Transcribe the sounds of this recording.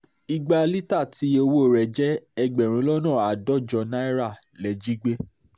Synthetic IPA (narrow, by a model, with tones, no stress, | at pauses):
i˧ɡ͡ba˧li˦ta˦˨ti˨˦o˧wo˦˨ɾɛ˨d͡ʒɛ˦ɛ˧ɡ͡bɛ˨ɾ̃ĩ˨˦lɔ˦nãː˦˨a˨dɔ˦d͡ʒɔ˧nã˦i˦ɾa˦˨lɛ˨d͡ʒi˦ɡ͡be˦